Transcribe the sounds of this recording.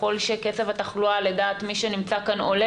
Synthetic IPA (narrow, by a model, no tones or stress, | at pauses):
o̞lʃeket͡sevataχlualedaːt̪miʃenimt͡sakano̞le